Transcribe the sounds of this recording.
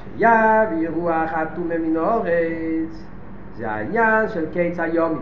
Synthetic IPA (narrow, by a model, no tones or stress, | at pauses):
ʃejavjiʁuaχat̪umeminoʁet͡s | zeha̰injanʃelkejt͡sajom